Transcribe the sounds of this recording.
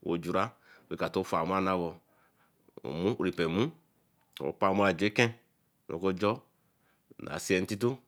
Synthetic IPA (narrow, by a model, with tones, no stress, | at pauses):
wʔo̰˨d͡ʒu˨ɾa˦˨ | be˨˦ka˨to˦fa˨m˦a˦na˦βɔ˨ | mũ˦ʔɾi˨pɛ˨mũ˦˨ | o̰˨pa˦˨mo˦a˨d͡ʒu˨e˦kɛ̃˦˨ | no̰˨ko˦d͡ʒɔ˦ | na̰˨si˦ɛ˦n̩˦ti˦t̬u˦